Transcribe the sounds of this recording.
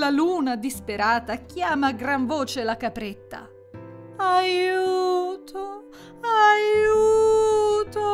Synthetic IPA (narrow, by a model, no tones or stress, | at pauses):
laluːnad̪ispeɾaːt̪ak̟jaːmaɡɾaɱvoːt͡ʃelakapɾɛt̪ːa̰ | ajuːt̪ʰo | ajuː | t̪o